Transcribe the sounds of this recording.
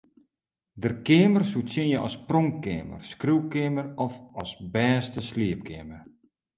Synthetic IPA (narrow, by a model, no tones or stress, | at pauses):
dərkɪəmərsutsjɪnjəʔɔ̰sproŋkɪːmə̰rskriwkɪmərɔfɔsbɛːstəsliəp̚kʰɪmər